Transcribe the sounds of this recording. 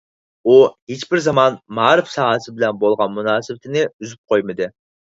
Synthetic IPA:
uhet͡ʃbɪɾzɑmɑnmɑːɾɨfsɑːɦəsɪbɪlɛnbolˠʁɑnmunɑːsɨbɪt̪ʰɪnɪyzyp̚qʰojmɨd̪ɨ

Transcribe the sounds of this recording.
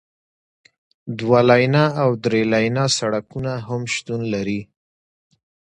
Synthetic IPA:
d̪walajnɑawd̪ɾelɑjnɑsaɽakunaɦamʃt̪unlaɾi

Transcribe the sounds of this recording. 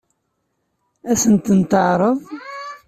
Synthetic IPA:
æsənt̪ənt̪əʕɾˤəðˤ

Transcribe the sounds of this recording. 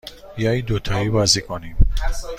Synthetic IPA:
jajd̪ut̪ʰɔivazikʰɔni

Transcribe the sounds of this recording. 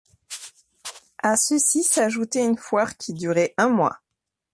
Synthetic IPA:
asəsisaʒut̪ɛynfwaʁkʲʰid̪yʁɛʔɛ̃mwa̰

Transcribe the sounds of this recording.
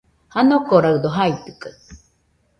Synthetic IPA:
hanokoɾaɯd̪oɦait̪ɯ̥kɯ

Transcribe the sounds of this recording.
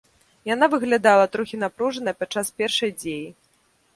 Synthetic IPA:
jan̪avɨɣlʲad̪alˠɐt̪ɾuxʲin̪apɾuʐɐnɐjpat͡ʂːaspʲɛrʂɐjd͡zʲeji

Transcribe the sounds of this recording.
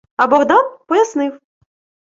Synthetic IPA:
ɐbɔɣd̪anpɔjasnɪw

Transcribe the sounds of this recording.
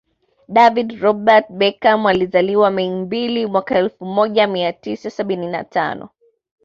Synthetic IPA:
ɗavidɾɔɓat̚ɓɛkamwalizaliwamɛimbilimwakaɛlfumɔʄamiatisasaɓinina̰ta̰nɔ̰

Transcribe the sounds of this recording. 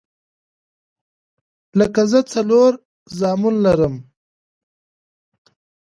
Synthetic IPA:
ləkazət͡saloɾ | zɑːmunlaɾəm

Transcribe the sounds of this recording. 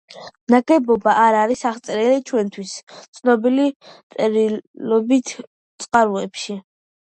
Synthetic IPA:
naɡɛbɔbaʔaɾaɾisaχt̪sʼɛɾɛlit͡ʃʰwɛnt̪ʰwist̪sʰnɔbilit̪ʼɛɾilɔbit̪ʰ | t̪sʼqʼaɾuɛpʃi

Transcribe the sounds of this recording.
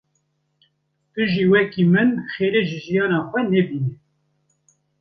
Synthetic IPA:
t̪ɨʒiːwɛkimɨnxeːleːʒɨʒijɑːnɑːxʷɛnɛbiːnɛ

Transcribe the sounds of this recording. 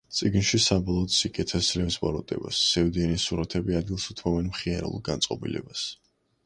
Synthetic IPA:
t̪sʼiɡnʃisabɔlˠɔːd̪sikʼɛt̪ʰɛslɛvsbɔɾɔt̪ʼɛ̰ba̰sːɛvd̪iɛnisuɾat̪ʰɛbiad̪̚ɡilˠsut̪ʰmɔvɛnmχiaɾɛ̰ṵlˠɡansʼqʼɔbḭlɛ̰bas

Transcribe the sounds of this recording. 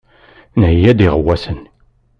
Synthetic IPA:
nhijæd̪iʁəwːæsən

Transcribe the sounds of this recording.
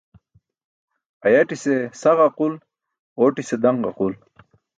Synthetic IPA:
ɐjaʈisesɐʁɑqul | oːʈised̪ɐŋɑ̰qul

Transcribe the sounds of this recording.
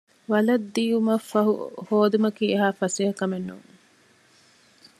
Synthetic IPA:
ʋɐlɐd̪ːiːumɐfɐɦṵhoːd̪umɐkiːeɦaːfɐseɦɐkɐmenːṵːŋ

